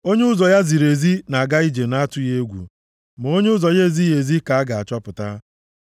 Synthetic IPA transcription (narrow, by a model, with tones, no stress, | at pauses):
o˦ɲe˦ʊ˦zɔ˨ja˦zi˨ɾe˨zi˦na˨a˨ɡa˦i˦d͡ʒe˨na˦tʊ˦e˦ɡʷṵ˨ | m˨o˦ɲe˦ʊ˦zɔ˨je˦˨zi˦je˨zi˦ka˨a˦ɡa˨a˨t͡ʃɔ˦pʊ˨ta˦